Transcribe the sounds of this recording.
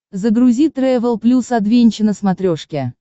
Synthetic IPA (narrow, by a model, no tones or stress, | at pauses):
zəɡɾʊzʲit̪ɾɛvʲəlˠplʲusɐd̪vʲenʲt͡ɕɪnəsmɐt̪ɾʲoʂkʲɪ